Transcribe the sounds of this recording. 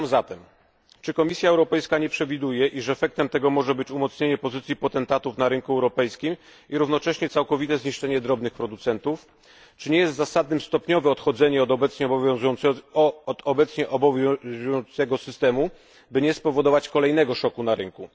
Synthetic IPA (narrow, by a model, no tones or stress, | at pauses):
mzat̪ɛm | t͡ʂɘkɔmʲisʲjaɛwɾɔpɛjskaɲɛpʂɛvʲid̪ujɛʔiʂɛfɛk̚t̪ɛmt̪ɛɡɔmɔʐɛbɘt͡ɕumɔt̪sɲeɲɛpɔzɘt̪sʲjipɔt̪ɛnt̪at̪ufnaɾɘŋkuɛwɾɔpɛjskʲim | iɾuvnɔt͡ʂɛɕɲɛt̪sawkɔvʲit̪ɛzɲiʂt͡ʂɛɲɛd̪ɾɔbnɘxpɾɔd̪ut̪sɛnt̪uf | t͡ʂɘɲɛjɛst̪zasad̪nɘmst̪ɔpɲɔvɛɔt̪xɔd̪zɛɲɛɔbɛt̪sɲɛbɔ | d̪ɔbɛt̪sɲɛʔvɔnt̪sɛɡɔsɘst̪ɛmu | bɘɲɛspɔvɔd̪ɔvat͡ɕkɔlɛjnɛɡɔʂɔkunaɾɘŋku